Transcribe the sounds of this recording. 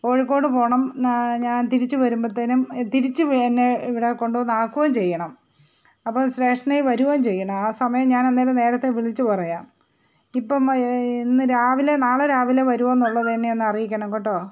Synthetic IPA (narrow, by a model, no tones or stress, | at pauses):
o̞ːɻikːo̞ːɽɨpo̞ːɳɐmɲaːnt̪iɾit͡ɕːuʋɐɾumbɐt̪ːɐnumt̪iɾit͡ɕːɨʋenːeiʋiɽeko̞ɳɖuʋonːaːkːuɣɐmt͡ɕe̞jːɐɳɐm | ɐpːɐmɕɾe̞ːʂʈɐɳɐjiʋɐɾuɣɐmt͡ɕe̞jːɐɳɐmaːsɐmɐjɐmɲaːnenːelene̞ːɾɐt̪ːeʋiɭit͡ɕːupɐrɐjaːm | ipːɐminːɨɾaːʋilenaːɭɐɾaːʋileʋɐɾuʋɐenːuɭːɐðeːɳːienːɨɐrijikʲːɐɳɐmkoʈːoː